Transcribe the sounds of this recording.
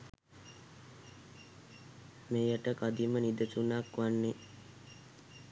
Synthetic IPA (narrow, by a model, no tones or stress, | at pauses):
meːjaʈəkad̪imənid̪ətunakʋanːe